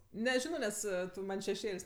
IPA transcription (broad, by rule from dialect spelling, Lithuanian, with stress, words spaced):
nʲɛˈʒʲɪnoː ˈnʲɛs ˈtʊ ˈmɐnʲ ʃʲɛˈʃʲeːlʲsʲ